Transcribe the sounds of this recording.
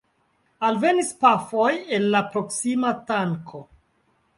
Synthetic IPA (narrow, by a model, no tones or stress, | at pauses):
alve̞nispafo̞je̞nlapɾo̞ksimataŋkʰo̞